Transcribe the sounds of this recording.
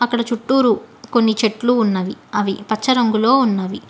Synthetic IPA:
ɐkːɐɽɐt͡ʃuʈːuːɾuko̞nːit͡ʃeʈluːnːɐʋiɐʋipɐt͡ʃʰːɐɾɐŋɡulo̞ːunːɐʋi

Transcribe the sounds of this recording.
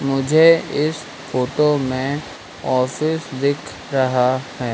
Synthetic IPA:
mʊd͡ʒʱeɪs | foːʈomẽ | ɔːfɪsd̪ɪkʰ | ɾɐɦahɛː

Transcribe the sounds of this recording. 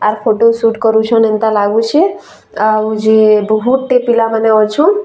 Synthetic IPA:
aɾpʰoʈosuʈkɔɾut͡ʃʰɔnent̪alaɡũt͡ʃʰe | awd͡ʒebɔɦuʈʈepilamaneɔt͡ʃʰɔ̃

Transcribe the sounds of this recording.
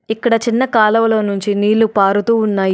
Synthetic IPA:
ikːɐɽɐt͡ʃinːɐkaːlɐʋɐlo̞ːnuɲt͡ʃiniːlːupaːɾut̪uːunːaːj

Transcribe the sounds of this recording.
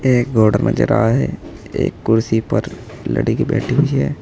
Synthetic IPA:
eːk̚ɡoːɖəɾmẽd͡ʒəɾaːaɦɛeːkːʊɾsipəɾ | lə̰ɽikibɛːʈʰiɦud͡ʒiɦɛː

